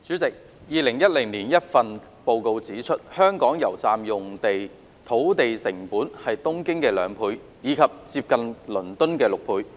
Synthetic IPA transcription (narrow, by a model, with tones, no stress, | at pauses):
t͡syː˨˥t͡sɪ˨k̚ | jiː˨˧lɪ˨˩ŋjɐ˥t̚lɪ˨˩ŋniː˨˩njɐ˥t̚fɐ˨n | po˨˧wko˧wt͡siː˨˥t͡ʃʰɵ˥t̚hœː˥ŋkɔː˨˥ŋjɐ˨˩wt͡saː˧mjʊ˨ŋt̪e˨j | t̪ʰo˨˥wt̪e˨jsɪ˨˩ŋpuː˨˥nhɐ˨jt̪ʊ˥ŋkɪ˥ŋkɛː˧lœ̰ː˨˧ŋpʰuː˧j | jiː˨˧kʰɐ˨p̚t͡si˧p̚kɐ˨nlɵ˨˩nt̪ɵ˥nkɛː˧lʊ˨k̚pʰuː˧j